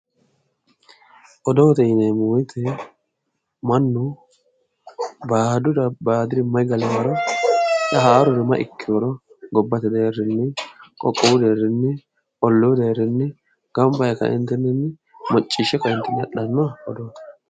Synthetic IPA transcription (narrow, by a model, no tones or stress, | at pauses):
ʔɔd̪oːt̪ɛnɛmuːjɪt̪ʰɛ | mɐnːʊ | baːd̪ʊd̪ɐbaːd̪ɪɾɪmɐjɡɐlɛwɐɾɐ | tɐɦaːɾɔɾɛmɐ̰ʔɪ̰kːɪɔɾɔ | ɡɔbːɐt̪ɪd̪eːrːɪnːɛkʼɔkʼːɔwʊd̪eːrːɪnːɛ | ʔɔlːoːd̪eːɾːɪnːɛ | ɡ̥ɐmbɐjɛkɐ̰ʔɪ̰nt̪ːɛnːɛnːɛ | mɔt͡ʃʼːɪʃːɛkɐɪnt̪ːɛnːɛᶑɐnːɐɔd̪oːt̪ɛ̥